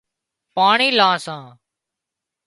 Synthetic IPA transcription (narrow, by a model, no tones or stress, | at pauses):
paːɳiːlãːsãː